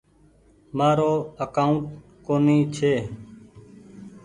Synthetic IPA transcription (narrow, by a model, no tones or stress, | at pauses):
maːɾoːəkaːʊ̃ɳʈ | koːniːt͡ʃʰeː